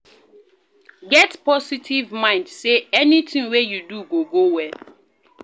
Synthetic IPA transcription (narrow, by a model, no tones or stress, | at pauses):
ɡɛtpʰɔsitʰivmãɪ̃ndseɛnitʰĩŋwɛjuduɡoɡowɛ